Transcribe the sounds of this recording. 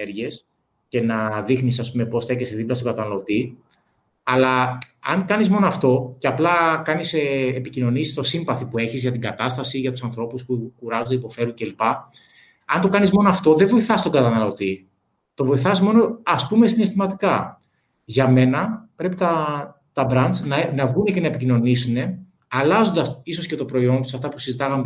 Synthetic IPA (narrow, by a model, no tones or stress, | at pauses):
eɾʝes | ce̞nɐðixnisɐspume̞po̞sθe̞ceseðiplɐst̪o̞ɡɐt̪ɐnɐlo̞t̪i | ɐlɐɐ̰ŋkɐnizmo̞noɐft̪o̞ceɐplɐkɐniseːpicino̞nisi̥st̪o̞simbɐθipue̞çizʝɐt̪iɡɐt̪ɐst̪ɐsiʝɐt̪usɐnθɾo̞puspukuɾɐzod̪eipo̞fe̞ɾuŋce̞lipɐ | ɐnt̪o̞kɐnizmo̞noɐft̪o̞ðevo̞iθɐst̪oɡɐt̪ɐnɐlo̞t̪i | t̪o̞vo̞iθɐsmo̞no̞ɐspume̞sine̞st̪imɐt̪i̥kɐ | ʝɐme̞nɐpɾe̞pit̪ɐ | t̪ɐbɾɐnt͡snɐnɐvɣune̞cenɐepicino̞nisune̞ | ɐlɐzond̪ɐsiso̞sce̞t̪o̞pɾo̞io̞nt̪usɐft̪ɐpusizit̪ɐɣɐm